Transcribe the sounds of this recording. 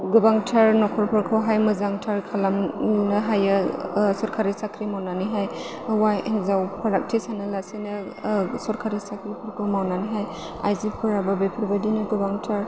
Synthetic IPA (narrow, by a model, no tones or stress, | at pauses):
ɡɯbaŋtʰaɾnɔkʰɔɾpʰɔɾkʰawɦajmɯzaŋtʰaɾkʰalamnɯɦajɯsɔɾkʰaɾisakʰɾimawnaniɦaj | wainzawpʰaɾak̚tʰisanɯlasinɯsɔɾkʰaɾisakʰɾipʰɔɾkʰɯmawnaniɦaj | a̰jzipʰɯɾababepʰɾbadinɯɡɯbaŋtʰaɾ